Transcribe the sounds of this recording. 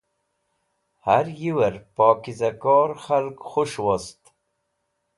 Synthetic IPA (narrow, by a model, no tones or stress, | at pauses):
haɾjiwɐɾpɑːkizakɔːɾxalkxuʃwost̪